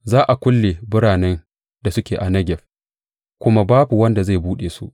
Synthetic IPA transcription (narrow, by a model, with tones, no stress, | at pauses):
zaː˦ʔa˨kʷʊ˦lːeː˨bʊ˦ɽaː˨nɛ˦n | da˨sʊ˦kʲeː˨ʔa˨nɐ˦ɡʲɛ˨ɸ | kʷʊ˦ma˦baː˦bu˨wɐ˦nda˨za˦˨buː˦ɗeː˨su˦ʔ